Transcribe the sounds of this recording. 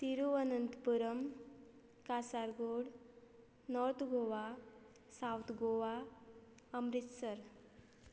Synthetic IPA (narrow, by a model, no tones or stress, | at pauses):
t̪iɾuənənt̪puɾəm | kasaɾɡoɽ | nɔɾt̪ʰɡoʋa | sawt̪ʰɡoʋa | əmɾit̪səɾ